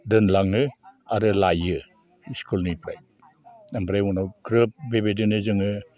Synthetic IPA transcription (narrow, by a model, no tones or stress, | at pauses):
dɯnlaŋɯaɾɯlajɯ | skulnipɾa̰j | nambɾajwunawkʰɾɯp̚bebedɯnɯzɯŋɯ